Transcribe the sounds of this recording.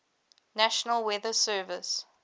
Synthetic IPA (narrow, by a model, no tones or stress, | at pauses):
næʃənəlˠwɛðəsɜːvɪs